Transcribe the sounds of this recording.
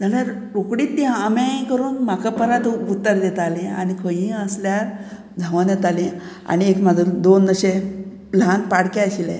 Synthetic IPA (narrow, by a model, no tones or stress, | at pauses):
d͡zʱalaɾ | ɾokɽiːt̪ːiamẽkəɾuːnm̤akapəɾat̪ut̪ːəɾd̪et̪alẽa̰nikʰə̃jĩəsljaɾ | d͡z̪ʱəʋanet̪alĩ | a̰niekmad͡z̪ʱuːnd̪onːəɕe | ləɦanpaɽkɛəɕilḛ̃